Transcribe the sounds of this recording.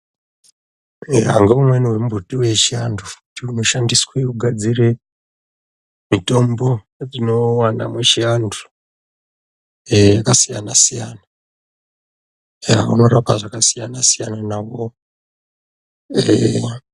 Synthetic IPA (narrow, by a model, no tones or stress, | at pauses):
eɦa̰ŋɡeumweniwe̞mubʱutiwe̞t͡ʃianduu̥kutiuno̞ʃandiswekuɡʱad͡zire | mito̞mbo̞ | rino̞wana̰mwet͡ʃiandu̥ | jakasijanasijana | a̰ṵno̞ɾapaʐakasijanasijananawo | e